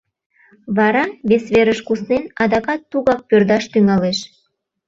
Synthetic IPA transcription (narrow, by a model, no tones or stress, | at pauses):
βɑɾɑβesβeɾəʃkusnenɑd̪ɑkɑt̪ːuɣɑk̚pørd̪ɑʃt̪yŋɑleʃ